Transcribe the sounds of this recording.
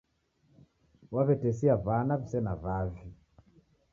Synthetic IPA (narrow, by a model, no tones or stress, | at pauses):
waβɛtɛsiavanavisɛnavavi